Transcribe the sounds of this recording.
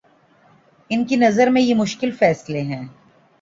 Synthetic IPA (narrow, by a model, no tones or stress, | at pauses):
ɪnkinɐzəɾmẽjemʊʃkɪlfɛːsleɦɛ̃ː